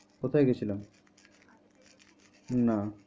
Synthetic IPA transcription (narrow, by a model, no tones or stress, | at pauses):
kot̪ʰajɡet͡ɕʰilam | na